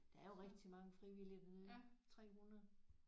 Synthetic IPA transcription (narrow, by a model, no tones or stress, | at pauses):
d̥ɑ̈æɐjo̝ʁɛɡ̥d̥ʰimɑ̈ŋəfʁiʋiliɐmet͡sʰʁɛ̰ːhunɐðˠ